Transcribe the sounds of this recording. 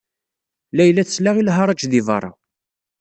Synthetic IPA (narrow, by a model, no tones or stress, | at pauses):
læjlːæθəslaʁilɦɑɾˤɑt͡ʃðivɑ̰ɾˤɑ̰